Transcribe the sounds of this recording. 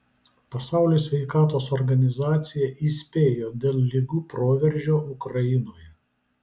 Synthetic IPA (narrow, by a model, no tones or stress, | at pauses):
pɐsɑˑʊlʲoːsʲʋʲɛɪkɑːt̪oːsɔɾɡɐnʲɪzɑːt̪sʲɪjɛʔiːsʲpʲeːjoːd̪ʲeːlˠlʲɪɡuːpɾoːʋʲɛɾʲʒʲoːʊkɾɐɪnoːjɛ